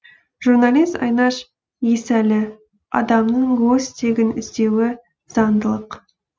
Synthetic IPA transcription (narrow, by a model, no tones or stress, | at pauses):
ʒ̥urnɑlʲˠijst̪ɑ̰jnɑʃ | jesælɪ | ɑ̰d̪ɑmnəɴɡɵst̪ʰe̞ɡʲɪnɪ̰zd̪e̞wɪ | z̥ɑnd̪əlˠəq